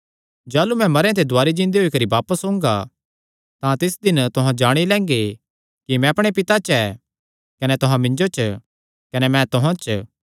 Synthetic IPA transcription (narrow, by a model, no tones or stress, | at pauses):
d͡ʒaːlumɛ̃mɐɾjãt̪̬ed̪ʱʊaːɾid͡ʒɪ̃nd̪eɦoikɐɾibaːpəsɦõːŋɡa̰ | t̪ãt̪ɪsd̪ɪnt̪ʊɦãd͡ʒaːɽ̃ilɛ̃ːŋɡe | kimɛ̃ɐpɽ̃epɪt̪at͡ʃɛː | kɐnɛt̪ʊɦãmɪ̃ɲd͡ʒot͡ʃʰ | kɐnɛmɛ̃t̪ʊɦãt͡ʃ